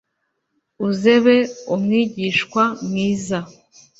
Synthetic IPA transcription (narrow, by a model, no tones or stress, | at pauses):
uze̞βe̞umŋiːɟiʃkwamŋiːza